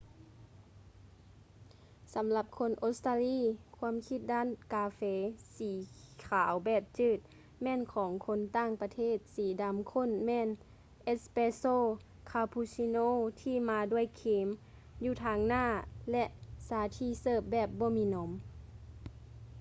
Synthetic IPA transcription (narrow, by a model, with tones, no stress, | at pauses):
sa˨˦mla˧p̚kʰo˧˥˨nʔo˧˥st̪aː˧liː˧˥˨kʰu˧˥ə˨mkʰi˧˥t̪̚daː˧˥˨nkaː˧feː˧siː˨˦ | kʰaː˨˦wbɛː˧˩p̚t͡ɕɯː˧˩t̪̚ | mɛː˧˥˨nkʰɔː˨˦ŋkʰo˧˥˨nt̪aː˧˥˨ŋpa˧t̪ʰeː˧˥˩t̪̚siː˨˦da˨˦mkʰo˧˥˨nmɛː˧˥˨n | ʔe˧˥t̪̚speː˧soː˧˨ | kʰaː˧pʰuː˧siː˧noː˧˥˨t̪ʰiː˧˩˨maː˧du˧˩əjkʰeː˨˦m | juː˧˩t̪ʰaː˧ŋnaː˧˥˩lɛ˧ʔsaː˨˦t̪ʰiː˧˩sɤː˧˩p̚bɛː˧˩p̚bɔː˧˦miː˧˨no˨˦m